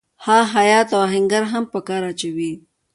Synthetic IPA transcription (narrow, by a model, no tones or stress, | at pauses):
hɑɦajɑt̪awɦɪŋɡaɾɦampəkɑɾat͡ʃawi